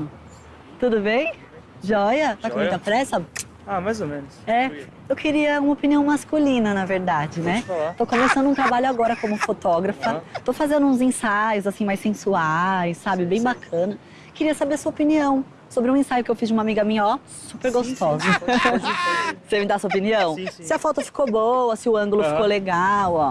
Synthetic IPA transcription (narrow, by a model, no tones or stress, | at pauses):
t̪ud̪ʊbẽj̃ | ʒɔjɐt̪akmũt̪ɐpɾɛsɐ | amajzomẽnʊsɛ | ewkeɾiɐũmɐopiniɐ̃w̃maskulĩnɐnɐveɾd̪ad͡ʒɪnɛt̪okõmesɐ̃nd̪ʊũt̪ɾabaʎʊaɡɔɾɐkõmʊ̃fot̪ɔɡɾɐfɐt̪ofazẽnd̪ʊũzẽsajʊzasĩmajsẽsuajsːabɪbẽj̃bakʰɐ̃nɐ | kɪɾiɐsabeɾsuɐopiniɐ̃w̃ | sobɾɪũẽsajʊkɪewfizd͡ʒɪũmamiɡɐmĩɲɐɔ | supeɾɡost̪ɔzɐ | semɪd̪asɐopiniɐ̃w̃sɪɐfɔt̪ʊfi̥kobowɐsɪʊɐ̃ŋɡʊlʊfikoleɡawɔ